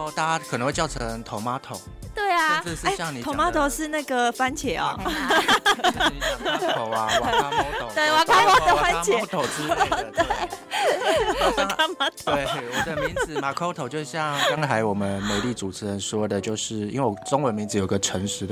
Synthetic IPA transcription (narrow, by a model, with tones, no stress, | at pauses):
t̪a˥˩a˥kʰnə˧˦ŋwe˥˧t͡ɕɑ˥˩ʊə˧˦ŋt̪ʰo˧˥ʊma˥t̪ʰo˨˦ʊt̪we˥˩ɪa˨˥˧ʂ̩˥˩˨ɕjɑ˥˨˩ŋni˨t̪ʰo˧˦˨ma˥t̪ʰo˨˩ʊʂɻ̩˥˧na˥˩ɡə˨fa˥nt͡ɕʰjɛ˨˩˦ɔ̰˨˧˦ | t̪we˥˩wa˨˩kʰa˥ma˥d̪ə˨˩fa˦nt͡ɕʰjɛ˨t̪ʰo˨ʊt͡s̩̪˥e˥ | a˨˩ka˥ma˥t̪ʰo˨˦e˥˩˨d̪ə˦mi˧˦ŋ̩˨˩ma˨˩kʰo˥t̪ʰo˨˩ʊt͡ɕjo˥˧ʂ̩˥˧˩ɕjɑ˥˩ŋɑ˥ŋt̪ʰa˧˥ɪwɔ˨˩mə˦nme˨˦ɪli˥˩t͡su˨˩t͡s̩ʰ˥ə˧˦nʂwɔ˥d̪ə˨t͡ɕjo˥˧ʊʂɻ̩˥˩ḭ˥nwe˩wʈ͡ʂo˥ŋwə˧˦nmi˧˥ŋd͡zɹ̩˧jo˨˩i˦ɡə˨ʈ͡ʂʰə˧˦ŋʂɻ̩˧˥d̪